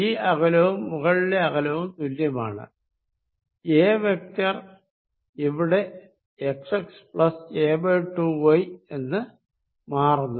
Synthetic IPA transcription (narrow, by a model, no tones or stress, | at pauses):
iːɐɣɐlɐʋumːuɣɐɭile̞ɐɣɐlɐʋumt̪uljɐma̰ːɳɨ̰ | e̞ːʋe̞k̚tɐr | iʋiɽe̞ | eksekspɭɐseːbeʈːuʋɐje̞nːɨ | maːrunːu